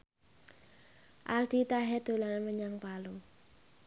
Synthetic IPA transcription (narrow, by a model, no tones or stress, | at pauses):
ʔald̪̥it̪aɦɛd̪̥o̤lanməɲaŋpalo